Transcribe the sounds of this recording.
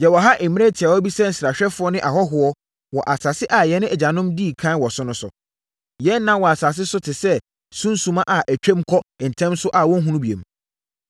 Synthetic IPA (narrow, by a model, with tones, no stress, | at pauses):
jɛ˨wɔ˨ɦa˦ʔe˨mĩ˦e˦tʰɪ˨a˨wɔ˦bi˦sɛ˦n̩˨sɾa˨ɕᶣɛ˦fʊ˨˦ɔ˦nɪ̃˦ʔa˨hɔ˦ɦʊ˨ɔ˦ | wɔ˨ʔa˨sa˨sɪ˦ʔa˨jɛ˨nʊ̃˦ɛ˨d͡ʑa˨nʊ̃˦mdi˦˨kʰã˦n˦wɔ˨sʊ˦nʊ̃˦sʊ̰˨ | jɛ˦nː˦ã˦wɔ˨a˨sa˨s̬ɪ˦sʊ˦tʰɪ˨sɛ˦ | sũ˦n̩˦sũ˨mã˦ʔa˨ʔæ˨t͡ɕᶣɛ̃˦mkʰɔ˦˨n̩˨tʰɛ̃˦msʊ˦ʔa˨wɔ̃˦n˦ɦũ˦nũ˦bi˨ḛ˨m